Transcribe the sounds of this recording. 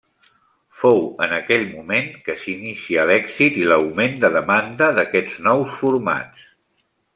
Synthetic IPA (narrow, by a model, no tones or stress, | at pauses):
fowənəkɛʎmumeŋkəsinisiəlɛɡzit̪iləwmend̪əðəmand̪əðəkɛd͡znɔwsfuɾma̰t͡s